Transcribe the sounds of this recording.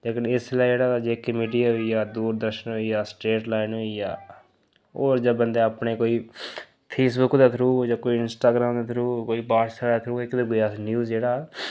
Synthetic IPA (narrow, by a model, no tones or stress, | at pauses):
leːkənɪslaːid͡ʒeːɽaːaːd͡ʒeːkːmiːɖijaːɦoijaːd̪uːɾd̪əɾʃənɦoiːjaːsʈeːʈlaːɪnɦoijaː | oːɾd͡ʒabənd̪eːapɳeːkoːiː | pʰeːsbʊkd̪aːt̪ʰɾuːd͡ʒaːkoːiɪnsʈaːɡɾaːmd̪aːt̪ʰɾuːkoːiːbaːʈsaaːt̪ʰɾuːɪkd̪eɡojaːnjuːzd͡ʒeːɽaː